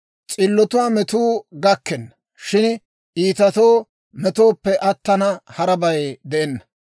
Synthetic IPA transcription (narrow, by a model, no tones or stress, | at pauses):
t͡sʼɪlːɔt̪ʊwaːmɛt̪uːɡɐkːɛnːɐ̥ | ʃɪn | ʔiːt̪ɐt̪oː | mɛt̪oːpːɛʔɐt̪ːɐnɐhɐɾɐbɐjd̪ɛʔɛnːɐ̥